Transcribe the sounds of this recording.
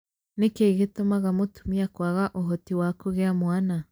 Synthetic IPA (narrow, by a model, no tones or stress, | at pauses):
nekeɣetomaɣamotumiakwaɣaʔoɦɔtiwakoɣeamwana